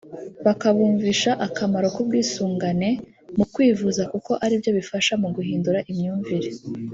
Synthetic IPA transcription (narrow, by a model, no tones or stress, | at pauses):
βakaβuːɱviʃaʔakamaɾo̞kobɡiːsuːŋɡane̞ | mukwiːvuzakuko̞ʔaɾibjo̞βifaʃamuɡuɦiːnduɾaʔimɲuːɱviɾe